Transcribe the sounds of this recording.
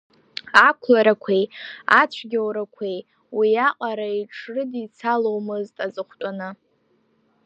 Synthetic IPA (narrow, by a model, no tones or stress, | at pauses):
akʷʰlaɾakʷʰejat͡ɕʷʰɡʲawɾakʷʰej | wiaqʼaɾaiʈ͡ʂʰrɨdit͡sʰalowmɨztʼazɨχʷtʼanɨ